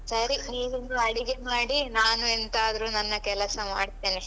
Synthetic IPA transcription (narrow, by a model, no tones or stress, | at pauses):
sɐɾiniːʋind̪uɐɽiɡemaːɽinaːnuent̪aːd̪ɐɾunɐnːɐkɛlɐsɐma̰ːɖt̪eːni